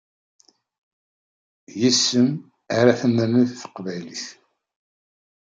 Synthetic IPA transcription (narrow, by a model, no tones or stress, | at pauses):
jisːəm | aɾaθənːəniθθə̥qːvæjliθ